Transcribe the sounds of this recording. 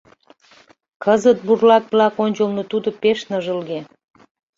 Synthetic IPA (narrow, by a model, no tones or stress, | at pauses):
kəzət̪̚burlɑk̚blɑkonʲt͡ɕəlnot̪ud̪opeʃnəʒəlɣe